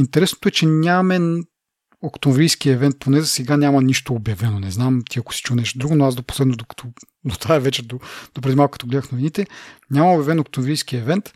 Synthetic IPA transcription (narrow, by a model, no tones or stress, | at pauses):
int̪ɛɾɛsno̥t̪oɛt͡ʃɛnʲamɛn | okt̪onvɾijsk̟iɛvɛnt̪̚pʰonɛzəsɛɡanʲamɐniʃt̪oːbjɐvɛnonɛznamt̪ʰiɐko̥si̥t͡ʃunɛʃt̪od̪ɾuɡonoazd̪opo̥slɛd̪nod̪okɐ̥t̪ʰɔ | d̪ot̪aɛvɛt͡ʃɛd̪od̪̥opɾɛd̪imalˠkʰɐt̪ɔɡlɛd̪əxnovinit̪ɛnʲamɐobjɐvɛnok̚t̪omvɾijskiɛvɛnt̪